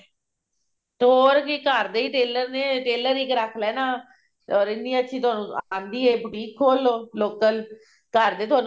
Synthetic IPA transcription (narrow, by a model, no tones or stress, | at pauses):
t̪oːɾkɪkəɾd̪eːiːʈeːləɾneːʈeːləɾɪkɾəkʰlɛːnaː | ɔːɾɪnːĩːətːʃʰĩːt̪ʊaːnũːãːnd̪iːeːbʊʈiːkʰːoːlːoːloːkəl | kəɾd̪eːt̪oaːɾn